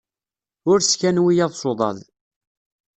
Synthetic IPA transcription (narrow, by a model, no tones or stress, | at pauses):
ʊɾskænwijæðˤsˤoðˤɑ̰ð